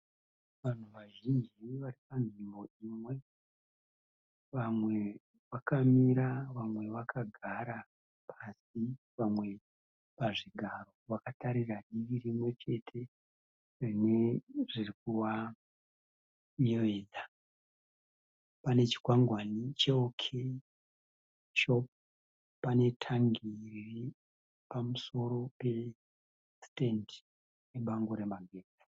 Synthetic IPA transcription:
ʋan̤uʋaʒind͡ʒiʋaɾipanʐimbo̞imwe̞ | ʋamwe̞ | ʋakamiɾaʋamwe̞ʋakaɡʱaɾa | pʰasi | ʋamwe̞ | paʐiɡʱaro̞ʋakataɾiɾaɗiʋiɾimwe̞t͡ʃe̞tʰe̞ | rineʐirik̚uwa | ɲeʋe̞ːd͡za | panet͡ʃi̥kwaŋɡwanit͡ʃeokʰe | ʃo̞p̚ | pane̞tʰaŋɡiri | pamuso̞ɾo̞pe̞ | stendi | jeɓaŋɡoɾe̞maɡʱe̞ːd͡zi̥

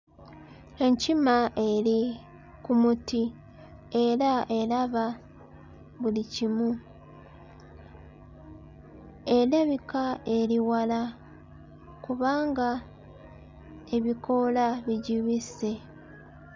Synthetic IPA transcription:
e̞ɲcimaʔe̞ɾi | kumuti | e̞ɾaʔe̞laβa | βulicimu | e̞leβikae̞ɾiwala | kuβaːŋɡa | e̞βiko̞laβiɟiβise̞

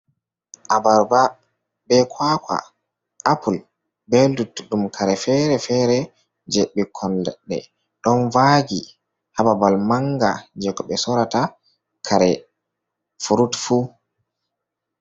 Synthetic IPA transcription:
ʔabaɾba | bɛkʰwaːkʷwa̰ | apʰul | bɛldutːɗumkʰaɾɛfɛɾɛfɛɾɛ | d͡ʒeɓːikʰːɔnlɛ̰ɗːɛ̰ | ɗɔnvaɡi | hababalmaŋɡa̰d͡ʒɛɡɔɓɛsɔɾata | kʰaɾɛ | fuɾutfu

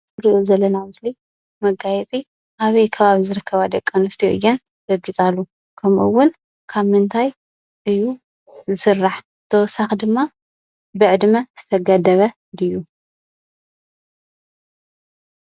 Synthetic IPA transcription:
ɾiʔozɐlːɐnamɨsli | mɐɡajɛt͡sʼi | ʔaβɐjkʰɐβaβizɨɾɨkʰːɐβad̪ɐkʼːɐnɨst̪ʰijɨ̰jːɛn | ɡ̥ɐɡit͡sʼalːu | kʰɐmʔuwʊn | kʰaβmɨnt̪ʰaj | ʔɨjːu | zɨsɨrːaħ | t̪ʰɐwɔsaxd̪ɨmːa | bɨʕɨd̪mɐz̥ɨt̪ʰɐɡad̪ɐβɐ | d̪ɨjːu

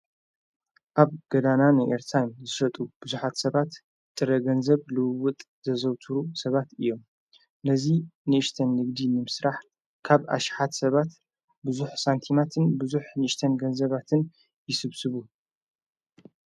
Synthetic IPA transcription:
ʔaβɡ̥ɐd̪ananɨʔeɾt̪ʰajmzɨʃɐt̪ʼub̥ɨzuħat̪sɐβat̪ | t̪ʼɨɾɐɡɐnzɐβlɨwwʊt̪ʼ | zɐzɐwt̪ʰuɾusɐβat̪ɨjːo̞m | nɐzinɨʔɨʃt̪ʰɐnːɨɡd̪inɨmɨsɾaħ | kʰaβa̰ʃħat̪sɐβat̪ | bɨzuħsant̪ʰimat̪ʰɨnbɨzuħnɨʔɨʃt̪ʰɐnɡɐnzɐβat̪ʰɨn | jɪsɨβsɨβu

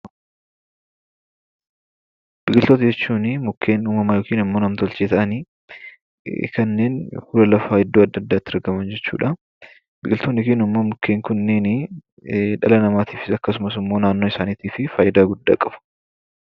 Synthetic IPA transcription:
b̥ɪkʼɪlt̪ot̪ɐd͡ʒɛt͡ʃːuːnɪmʊkʰːeːnuːmɐmɐjoːkiːnɪmːo̞ːnɐmt̪ɔlt͡ʃeːt̪ɐʔɐniː | kɐnːe̞ːnhuːlɐlɐfaːhɪd̪ːoːɐd̪ːɐd̪ːaːt̪ːɪɾɡɐmɐnd͡ʒɛt͡ʃːṵːᶑɐ | bɪkʼɪlt̪onːɪkeːnɪmːoːmʊkʰːeːŋkʊnːeːnɪ | ᶑɐlɐnɐmaːt̪iːfɪsɐkːɐsʊmɐsɪmːo̞ːnaːnːoːɪsaːniːt̪iːfɪfaːjɪd̪aːɡʊd̪ːa̰ːkʼɐfʊ̥

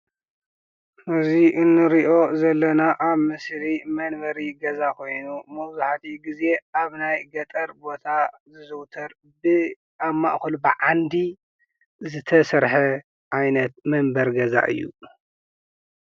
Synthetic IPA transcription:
ʔɨziʔɨnːɨɾiʔo̞zɐlːɐnaʔaβmɨsɾimɐnbɐɾiɡɐzakʰo̞jnumɐwzuħat̪ʰiɡize̞aβnajɡɐt̪ʼɐɾbo̞t̪ʰa | zɨzɨwt̪ʰɐɾ | bɨ | ʔaβma̰ʔxulubɨʕand̪i | zɨt̪ʰɐsɐɾħɐ | ʔajnɐt̪̚mɨnbɐɾɡɐza̰ʔɨ̰jːṵ

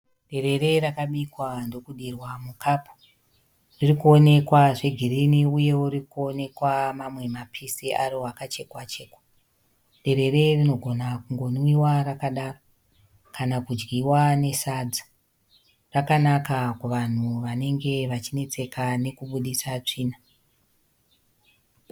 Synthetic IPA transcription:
ɗe̞ɾe̞re̞ɾakaɓikwando̞kuɗirwamukʰapʰu̥ | ririkuo̞ne̞kwaʐe̞ɡʱiɾiniuje̞wurikuo̞ne̞kwamamwe̞mapʰisiʔaɾiwakat͡ʃe̞kwat͡ʃeːkḁ | ɗe̞ɾe̞re̞rino̞ɡʱo̞nakuŋɡo̞nwiwarakaɗaro | kanakud͡ʒɡiwane̞sad͡za | rakanakakuʋan̤uʋane̞ŋɡe̞ʋat͡ʃine̞t͡se̞kane̞kuɓuɗisat͡ʂiːna

